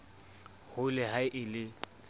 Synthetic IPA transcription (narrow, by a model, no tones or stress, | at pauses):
hʊlɪɦaɪʔɪlɪ